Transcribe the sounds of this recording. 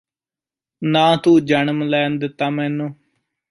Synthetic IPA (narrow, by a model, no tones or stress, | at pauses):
nãːt̪uːd͡ʒənəmlɛːnd̪ɪt̪ːaːmɛːnũː